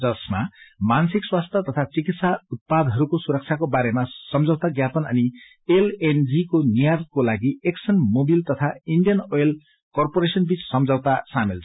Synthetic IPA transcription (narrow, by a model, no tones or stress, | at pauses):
d͡zʌsmamansikswast̪ʰjʌt̪ʌt̪ʰat͡sikit̪saut̪̚pad̪ɦʌɾukosuɾʌk̚t͡sʰakobaɾemasʌmd͡zʌwt̪aɡjapʌnʌ̰ni | elend͡zikonijaɾkolaɡieksʌnmobilt̪ʌt̪ʰaiɳɖijʌnojl | kʌrpoɾesʌnbit͡ssʌmd͡zʌwt̪asamil